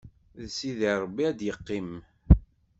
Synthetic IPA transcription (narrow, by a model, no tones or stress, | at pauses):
ðsiðiɾˤbːiæd̪jəqːim